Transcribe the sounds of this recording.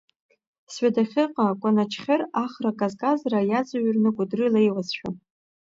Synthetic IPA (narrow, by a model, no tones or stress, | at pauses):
sɥadaχʲɪqʼakʷʼanat͡ʃʰχʲɪraχrakʼazkʼazrajad͡zʼaɥrnɨɡʷʼʊdrɨlejwazʃᶣa